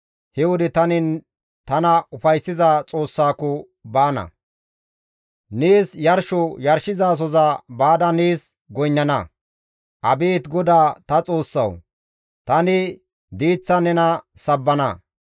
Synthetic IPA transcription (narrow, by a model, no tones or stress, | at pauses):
hɛwɔd̪ɪt̪ɐnɪ | t̪ɐnɐʊfɐjsːɪzat͡sʼo̞ːsːaːkɔ | baːnɐ̰ | neːsjɐɾʃɔjɐɾʃɪzaːs̬ɔzɐbaːd̪ɐneːs | ɡɔjnːɐnɐ | ʔɐbeːt̪ɡɔd̪aːt̪ɐt͡sʼo̞ːsːɐ̰w | t̪ɐnɪ | d̪iːt͡sːɐnɛnɐsɐbːɐnɐ̰